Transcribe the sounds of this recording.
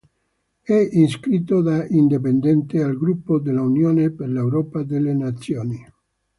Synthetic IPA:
ɛinskɾit̪ːod̪aind̪ip̬end̪ɛnt̪ealɡɾupːod̪elːaunjoːneperlewɾɔːpad̪elːenat̪sːjoːni

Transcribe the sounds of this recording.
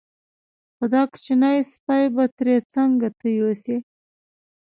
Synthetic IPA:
xʊd̪ɑkt͡ʃinajspajbat̪ɾet͡saŋɡat̪əjosi

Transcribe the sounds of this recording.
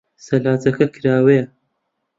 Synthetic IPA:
sɐlaːt͡sɐkɐkʰɨɾaːwejɐ

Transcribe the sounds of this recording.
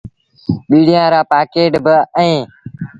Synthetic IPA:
ɓiːɽ̤ijãːɾaːpaːkeːʈbəɛ̃ː

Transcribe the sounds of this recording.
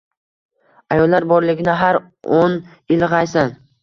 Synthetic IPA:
ajɒlˠːaɾbɒɾlɪɡʲɪnɪɦaɾ | on | ɪlʁɑjsan

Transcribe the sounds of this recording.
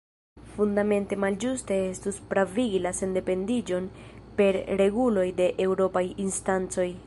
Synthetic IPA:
fundame̞nte̞mald͡ʒuste̞e̞stuspɾaviɡilase̞nde̞pe̞ndid͡ʒo̞npe̞ɾɾe̞ɡulo̞jde̞ʔe̞wɾo̞pajinstant͡so̞j

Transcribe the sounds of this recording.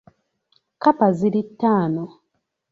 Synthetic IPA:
kapaziɾitːaːno

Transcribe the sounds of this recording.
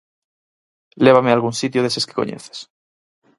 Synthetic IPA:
leβ̞amealɣunsit̪joðeseske̥ko̰ɲḛθe̥s

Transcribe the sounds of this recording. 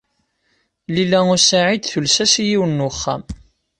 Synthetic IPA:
lilæʊɾsaʕid̪θulsæsjiwənːuχːa̰m

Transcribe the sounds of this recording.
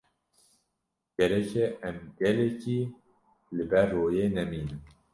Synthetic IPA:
ɡ̥ɛɾɛkʰeɛmɡɛlekiː | lɨbɛrːoːjeːnɛmiːnɨm

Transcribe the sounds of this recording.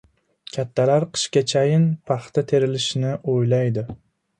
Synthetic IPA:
kʲʰat̪ʰːalaɾqʰɨ̥ʃkʲat͡ʃʰajɪnpʰɑχt̪at̪ʰeɾɪlɪʃnɪʔojlajd̪ɪ

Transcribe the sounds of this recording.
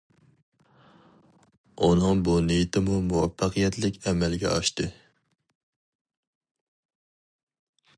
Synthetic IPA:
unɨŋbunejt̪ʰɪmumuwɛfːɑqʰijɛt̪ʰlɪkʲɛmɛlɡʲɛ̰ʔɑʃt̪ɨ

